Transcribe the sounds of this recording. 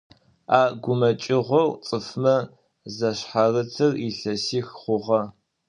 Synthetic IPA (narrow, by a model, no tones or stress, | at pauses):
aːɡʷʊmɐt͡ʃʼɪʁʷɔwt͡sʼɨfmɐ | zɐɕħarɨt͡sʰɨriɬɐsiːxχʷʊʁɐ